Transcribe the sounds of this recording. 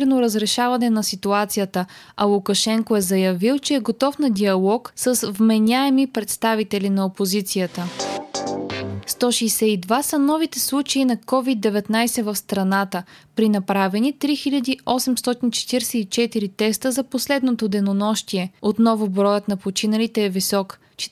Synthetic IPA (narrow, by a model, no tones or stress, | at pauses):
ɾnoɾəzɾɛʃavɐnɛnɐsit̪uat̪sijət̪əɐlˠukɐʃɛŋkoɛzɐjɐvilˠt͡ʃɛːɡot̪ɔfnɐd̪ʲiɐlˠɔksəsvmɛnʲaɛmipɾɛt̪st̪avit̪ɛlinɐopozit̪sijət̪ə | st̪ɔʃɛjsɛid̪vasɐnɔvit̪ɛslˠut͡ʃɐinɐkɔvid̪ːɛvɛt̪najsɛvɐfst̪ɾɐnat̪əpɾinɐpɾavɛnit̪ɾixiʎʲɐd̪iɔsɛmst̪ɔt̪int͡ʃɛ̥t̪iɾsɛit͡ʃɛt̪iɾit̪ɛst̪əzɐposlɛd̪not̪od̪ɛnonɔʃt̪iɛot̪nɔvʊbɾɔjət̪nɐpot͡ʃinɐlit̪ɛːvisɔk | t͡ʃ